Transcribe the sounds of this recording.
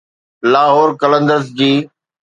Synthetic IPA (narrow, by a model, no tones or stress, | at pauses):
laːɦoːɾkələ̃nd̪əɾəzd͡ʑiː